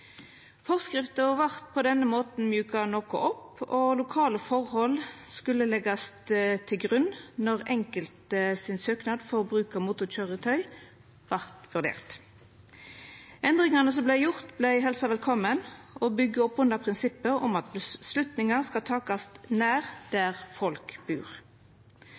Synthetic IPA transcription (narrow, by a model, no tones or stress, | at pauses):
fɔʁskɾɪft̪əɔʋɑʁt̪̚pʰɔd̪ɛnːəmoːt̪n̩mjʉːkɑnoːkʊ̰ʔɔpɔlʊkʰɑːləfɔʁhɔlskʉlːəlɛɡɑst̪t̪ʰɪlɡʁʉnːnɔʁɛŋkəlt̪sɪnsøːknɑːd̪fɔʁbʁʉːkəmuːt̪ʊc͡çøːʁət̪ʰœʏ | ʋɑʁt̪ʋʉʁd̪ḛːʁt̪ | ʔɛnd̪ʁɪŋɑnəs̬ɔmblæɪjʊʁt̪blæɪɦɛlsɑʋɛlkʰɔmənʔɔbʏɡəɔpːʉnd̪ɑpʰʁɪnsɪpːəʁɔ̰mɑt̪bəslʉt̪nɪŋɑskɑt̪ʰɑːkɑst̪næːʁd̪̥æʁfɔlkb̥ʉːʁ